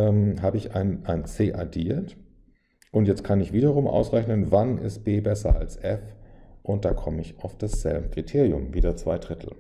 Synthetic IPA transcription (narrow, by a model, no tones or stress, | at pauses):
ɛːmɦaːbəɪça̰ɪnʔaɪnt͡seːʔadiːɐt | ʔʊntjɛt͡stkʰanɪçv̥iːɾɐʁʊmʔa̰ʊsʁɛçnənvanɪ̰st̚b̥eːbɛsɐ̰a̰lsʔɛfʔʊnt̚d̥aːkʰɔməɪçaʊfd̥asz̥ɛ̰lbəkʁ̥itʰeːʁijʊ̰mviːdɐt͡sv̥a̰ɪdʁɪtʰl̩